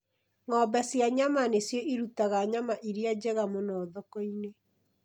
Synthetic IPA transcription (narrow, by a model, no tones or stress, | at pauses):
ŋɔbɛsjaɲamanesjɔʔiɾutaɣaɲamaʔiɾiad͡ʑɛɣamonɔðɔkɔine